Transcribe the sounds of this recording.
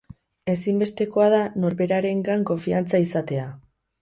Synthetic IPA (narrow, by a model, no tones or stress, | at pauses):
e̞simbe̞st̪e̞ko̞að̞ano̞ɾβe̞ɾaɾe̞ŋɡaŋko̞ɱfiant͡saisat̪e̞a